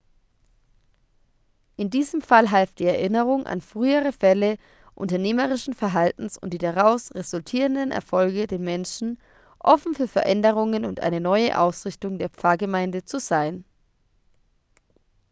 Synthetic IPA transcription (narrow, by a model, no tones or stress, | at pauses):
ʔɪndiːzəmfalɦɛlft̚d̥iːɛɐʔɪnəʁ̞ʊŋʔa̰nfʁ̥yːəʁ̞əfɛlə | ʔʊ̰ntɐneːməʁ̞ɪʃn̩fɛɐɦaltn̩sʊ̰ntd̥iːdaʁaʊsʁezʊltʰiːʁəndənɛ̰ɐfɔlɡədeːɐmɛnʃn̩ | ʔɔfn̩fyːɐfɛɐʔɛndəʁ̞ʊŋənʊntʔa̰ɪnənɔʏə̰ʔa̰ʊsʁɪçtʊŋdeːɐpp͡faːɐɡəmaɪndət͡suzaɪn